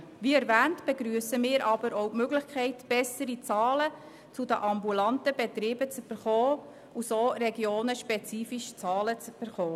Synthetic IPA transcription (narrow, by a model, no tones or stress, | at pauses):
ʋiɛɾvæːntb̥eɡɾyːəsəmɪːɾʔɑbəɾowtmøɡlɪχkʰɛɪtb̥ɛsəɾit͡sɑːlə | t͡sud̪ə̰ʔɑmbulɑntəbet̪ɾiːbət͡syb̥əɾχɔː | usoːrɛɡjoːnəʃpɛt͡siːfiʃt͡sɑːlət͡sb̥əɾχɔː